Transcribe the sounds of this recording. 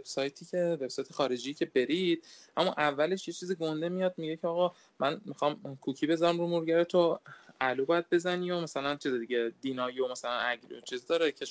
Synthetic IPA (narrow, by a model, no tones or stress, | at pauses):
veb̥sɒːjt̪ʰiːcʰe̞ve̞b̥sɒːjt̪ʰexɒːɾe̞d͡ʒijcʰe̞be̞ɾid̪̥̚ʔæmuʔævːæle̞ʃjet͡ʃʰiːziɡo̞nd̪e̞mijɒd̪̚miɟecʰeɒːɣɒ | mʔænmixɒːmkʰucʰibe̞zɒɾæmɾumuɾɟæɾet̪ʰoælubɒjæd̪̚be̞zæniːomæsælænt͡ʃʰized̪iɟed̪iːnɒːjomæsælænæɟɾiot͡ʃʰizd̪ɒːɾecʰe